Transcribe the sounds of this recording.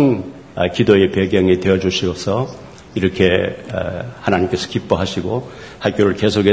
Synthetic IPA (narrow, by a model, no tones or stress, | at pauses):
ŋ | kidoe̞peɡjʌŋidwe̞ʌd͡ʑuɕʰiosʰʌ | iɾʌkʰḛ | hanaɲimk͈e̞sʰʌ̥kip͈ʌɦaɕʰiɡo | hak͈joɾɯɭke̞sʰoɡe